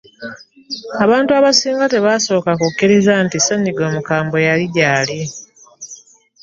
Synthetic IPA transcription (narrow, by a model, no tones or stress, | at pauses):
aβaːntuaβasiːŋɡate̞βaso̞ːkakukːiɾizantisaɲːiɡo̞ːmukaːmbo̞jaliɟaːli